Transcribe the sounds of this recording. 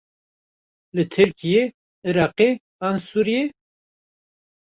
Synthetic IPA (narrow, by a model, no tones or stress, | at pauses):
lɨt̪ʰɨɾkije | ɨɾɑːqe | ɑnsuːɾije